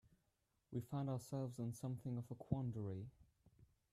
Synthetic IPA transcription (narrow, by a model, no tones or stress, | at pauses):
wʔifãɪ̃ndaʊəsɛlˠvzɪ̃nsʌ̃mθɪ̃ŋəvəkʰw̥ɑ̃ndəɹi